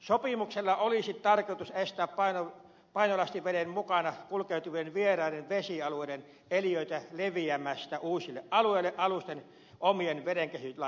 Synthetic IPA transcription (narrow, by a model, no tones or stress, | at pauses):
sopimukselːɑolisit̪t̪ɑrkout̪usest̪æːppɑino | pɑinolɑst̪iʋeɾemmukɑnɑkulkeˑut̪uʋienʋierɑˑiɾenʋesiɑlueˑiɾen | elijøˑit̪æleʋiæmæst̪æuːsilːeʔʔɑlueˑilːˑeʔʔɑlust̪en | ʔomienʋeɾeŋkehylɑ